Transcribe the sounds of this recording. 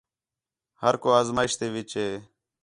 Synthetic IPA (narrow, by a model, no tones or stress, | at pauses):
həɾkoːaːzmaːɪʃt̪eːʋɪt͡ʃɦeː